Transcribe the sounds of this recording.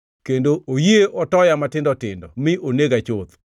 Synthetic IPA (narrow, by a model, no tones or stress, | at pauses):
kendoojeʔɔtɔjamatɪndɔtɪndɔmɪʔoneɡat͡ʃot̪